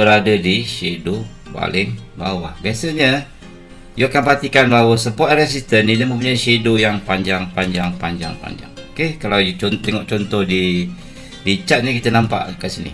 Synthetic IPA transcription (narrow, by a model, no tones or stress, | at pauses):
bəɾadədiʃedu | ba̰lɪŋba̰wahbiasəɲə | juakanpat̪ikanbawəsəpɔɾɛs̬ist̪ənːiləməmp̬uɲajsedojaŋpaɲd͡ʒaŋpaɲd͡ʒaŋpaɲd͡ʒa̰ŋpa̰ɲd͡ʒa̰ŋokekalawjut͡ʃɔnt̪ɛŋɔʔt͡ʃɔnt̪ɔhdi | bit͡ʃat̪̚nɲəkit̪ənampa̰ʔkəʔsinḭ